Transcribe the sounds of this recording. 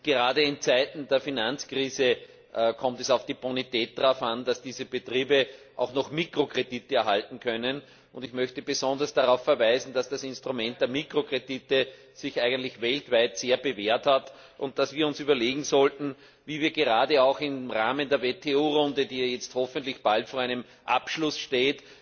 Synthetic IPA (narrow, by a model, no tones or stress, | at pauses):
ɡ̥əʁaːdəɪnt͡sæɪtn̩deːɐfinãnt͡skʁ̥iːzə | kʰɔmtɛsɑʊfd̥iːbonitɛːt̚d̥ʁaʊfand̥asd̥iːzəbətʁiːbəʔɑ̰ʊxnɔχmiːkʁokʁ̥editəɛɐɦaltn̩kʰœnən | ʔʊndɪçmœçtəbəzɔ̃ndɐsd̥aʁaʊfːɐvæɪzn̩d̥asd̥asɪ̃nstʁʊmɛ̃nt̚d̥eːɐmiːkʁokʁ̥editə | sɪçʔæɪɡəntlɪçvɛltv̥æɪtseːɐbəveːɐthat | ʊ̰nt̚d̥asviːɐʊnsyːbɐleːɡŋ̩zɔltn̩ | viːviːɐɡeʁaːdəɑʊxɪmʁaːməndeːɐvetʰeuːʁʊ̃ndədiːjɛt͡sthɔfəntlɪçb̥altfoːɐæɪnəm | ʔa̰pʃlʊsʃteːt